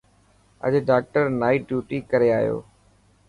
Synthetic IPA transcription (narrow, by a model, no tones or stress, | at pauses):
ə̰ʄɖaːk̚ʈəɾnaːiːɖjuːʈiːkəɾeaːjo̰ː